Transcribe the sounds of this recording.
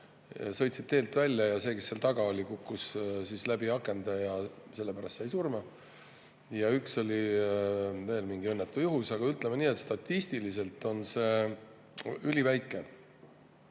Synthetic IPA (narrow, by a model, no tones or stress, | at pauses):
sɤ̞jt̪sit̪̚t̪ːe̞ːlt̪ːˑvælʲːjɑjɑse̞ːke̞sːeːlt̪ɑɡ̥ɑo̞lʲikukːussislæbiɑkːˑe̞nd̪ɑjɑse̞lːepæɾɑst̪sɑjsurmɑ | jɑykso̞lʲi | ve̞ːlmiŋɡ̥ie̞nːet̪ːˑujuɦusɑɡ̥ɑyt̪ˑlemeniːet̪ːˑst̪ɑt̪ːist̪ilise̞lt̪ːˑo̞nse̞ː | ylʲivæjkːˑe